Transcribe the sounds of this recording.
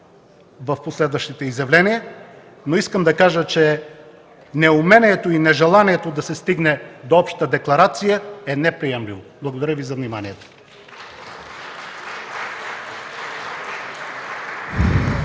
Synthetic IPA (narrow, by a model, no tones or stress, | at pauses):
vɐfposlɛd̪vəʃt̪it̪ɛizjɐvlɛnijə | noiskəmd̪ɐkaʒət͡ʃɛ | nɛumɛniɛt̪oinɛʒɛlˠaniɛt̪od̪ɐsɛst̪iɡnɛd̪oɔpʃt̪t̪əd̪ɛklˠɐɾat̪sijəɛnɛpɾijɛmlivoblˠɐɡod̪ɐɾʲəvizɐvnimanijɛt̪o̥